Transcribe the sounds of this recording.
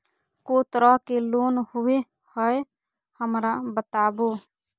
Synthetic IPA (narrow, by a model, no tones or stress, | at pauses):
koːt̪ɾakeloːnhʊwe | həe | həmɾabət̪aːboː